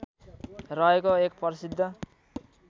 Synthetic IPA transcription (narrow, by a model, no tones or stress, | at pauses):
rʌɦekoekpʌɾisid̪ʱːʌ